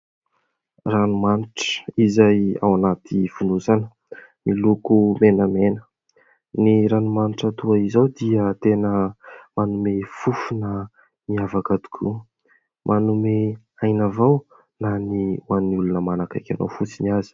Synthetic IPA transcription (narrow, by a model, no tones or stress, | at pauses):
ranumaniʈ͡ʂə̥izaja̰wanat̪iv̥unuzanə | milukumenəmenə̥ | niɾanumaniʈ͡ʂət̪uaizawd̪iət̪enəmanumefufunə | miavakad̪u̥kʰṵ | mʔanume | ajnavaw | naniwanːiulunəmanakajkʲano̰wfut͡siniazi̥